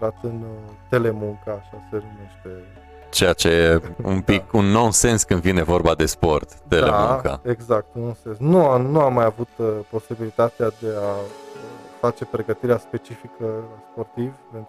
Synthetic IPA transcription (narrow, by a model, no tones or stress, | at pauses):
ɾat̪ɨnt̪e̞le̞muŋkaːʃasenume̞ʃt̪e̞ | t͡ʃe̞jat͡ʃe̞jeṵmpikunːownse̞nskɨnd̪vine̞vo̞rbad̪e̞spo̞rt̪d̪eld̪eamṵŋka̰eɡzak̚t̪nonsensnuanuamːajavut̪po̞sibilit̪at̪ead̪e̞aəfat͡ʃe̞pɾe̞ɡət̪iɾeaspe̞t͡ʃifikʰəaspo̞rt̪ivpent̪